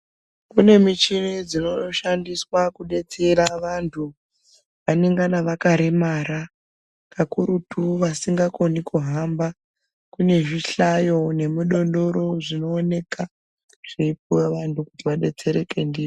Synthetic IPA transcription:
kune̞mit͡ʃinid͡zino̞oʃandiswakuɗe̞t͡seɾaʋantʰu | ʋaneŋɡanaʋakaɾemaɾa | kʰakuɾutuʋasiŋɡako̞nikuɦamba | kune̞ʐiɬajo̞ne̞muɗo̞ndo̞ɾo̞ʐino̞ːne̞ka | ʐ̥ipuweʋantʰukutiʋaɗe̞t͡se̞ɾe̞ke̞ndiːi

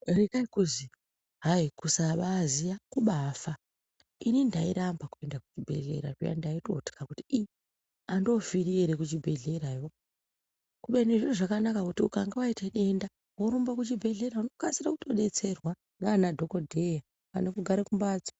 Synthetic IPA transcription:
rekaikuzi | ɦaikusaʋazijakuɓaːfa | inindaiɾambakue̞ndaku̥t͡ʃibʱe̞̰ɮe̞̰ɾa̰ʐija̰ndaito̞̰ti̥kakuti̥i | ando̞fiɾieɾekut͡ʃibʱe̞ɮe̞ɾajo | kuɓeneʐiruʐakanakakutiukaŋɡeʋaiteɗe̞nda | woɾumbakut͡ʃibʱe̞ɮe̞ɾauno̞kasirakuto̞ɗe̞t͡se̞rwa | ŋɡanadʱo̞ko̞dʱe̞ja | pa̰nekuɡʱaɾekumbaːd͡zḁ

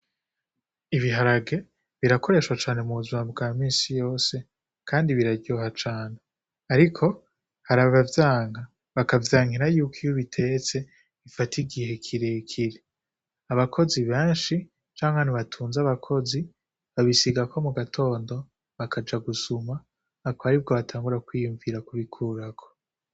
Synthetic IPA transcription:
iβiɦaɾaɡe̞ | βiɾako̞ɾe̞ːʃwat͡ʃaːne̞muβuzimabɡaːmiːnsijo̞ːse̞ | kʰaːndiβiɾaɾɟoːɦat͡ʃaːne | aɾikʰo̞ | haɾaβavjaːŋɡa | βakavjaːŋhiɾajuːkijoβitʰe̞t͡se̞ | ifatiɡihe̞kʰiɾekʰiɾe | aβakʰo̞ziβẽːnʃi | t͡ʃaːŋhaniβatʰuːnzaβakʰo̞zi | βaβisiɡakʰo̞muɡatʰo̞ːndo̞ | βakʰad͡ʒaɡusumaː | koaɾib̚ɡo̞βatʰaːŋɡuɾakwiːjuɱviɾakuβikʰuɾakʰo̥

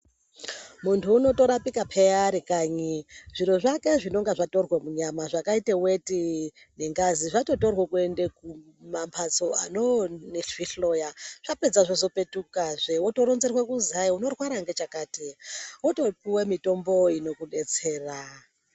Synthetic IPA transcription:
muntʰuːno̞to̞ɾapikapʰeaɾikaːɲiʐ̥iɾoʐake̞ʐino̞ŋɡaʐato̞rwemuɲamaʐakaitewe̞ti | ne̞ŋɡaziʐato̞to̞rwekue̞ndeku | mampʰat͡so̞a̰noneɬiɬo̞jaʐ̥ape̞d͡zaʐoso̞pe̞tukaʐewoto̞ɾonzerwekuziaiuno̞rwaɾaŋɡe̞t͡ʃakaːtiwoto̞piwemito̞mbo̞ino̞kuɗe̞t͡se̞ːra

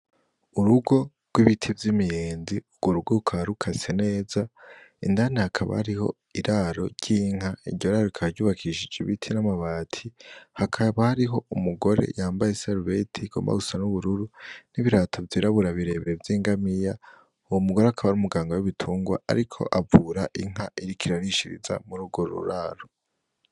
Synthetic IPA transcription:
uɾuɡo̞ | ɡ̥wiβitʰivjimijeːnziuɡwoɾuɡoukʰaaɾukʰasene̞ːzaḭndanehakʰaβa̰haɾiho̞̰ | iɾʔaɾo̞̰ɾɟiːŋ̥haḭɟɟoɾaɾokʰahɾɟuːβakʰiʃid͡ʒiβitʰinamaβaːtʰihakʰaβahaɾiɦo̞umuɡo̞ɾe̞̰jaːmbajesaɾvetʰiɡ̥o̞̰mba̰usanuβuɾuɾuniβiɾaːtʰovjiːɾaβuɾaβiɾe̞ːβevjiːŋɡamija | uwomuɡoɾehakʰaβaɾumuɡaːŋɡawuβitʰuːŋɡwa̰a̰ɾikʰo̞̰ʔavuːɾaʔiŋ̥ɦaʔiɾikʰiɾaɾiʃiɾḭza̰muɾuːɡo̞ɾṵɾaɾo

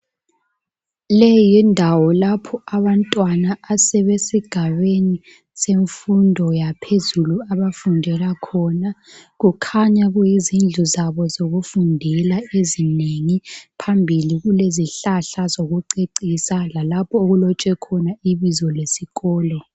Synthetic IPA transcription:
lɛjindʱawɔlapʰɔaβantʼwanaːsɛβesiɡ̥ʱaβeni | seɱfundʱɔjapʰezuluaβafundʱɛlakʰɔnaɣukʰaɲaɣujizind͡ɮʱuzaβɔzoɣufundʱɛlaezineŋipʰambʱiliɣuleziɬaɬazoɣuǀeǀisalalapʰɔoɣulɔt͡ʃʼɛkʰɔnaiβizɔlesiɣɔːlɔ

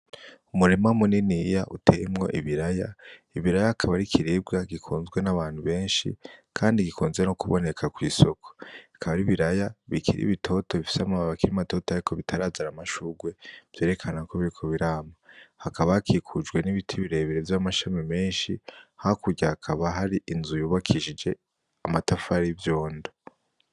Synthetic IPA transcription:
umuɾimamuninijaʔutʰeimŋo̞̰ʔḭβiɾajaiβiɾajaːkʰaβaɾikʰiɾib̚ɡaɡikʰuːnzɡwe̞naβaːnhuβe̞ːnʃḭkʰaːndiɡikuːnzɡenokuβo̞̰ne̞kʰakwiːso̞kʰo̥ḁkʰaβaɾiβiɾajaβikʰiɾḭβitʰo̞to̞βifi̥seamamaβakiɾimato̞ːtoaɾikʰo̞βitʰaɾaːzaɾamaʃuɡwe̞v̥je̞ːɾe̞kʰanako̞βiɾikʰo̞βiɾaːmahakaβahakʰikʰud͡ʒɡwe̞niβitʰiβiɾe̞ːβiɾevjamaʃamime̞ːnʃihakuɾɟahakʰaβaɦaɾiʔinzujuːβakʰiʒid͡ʒe̞ | amatafaɾivjo̞ːndo

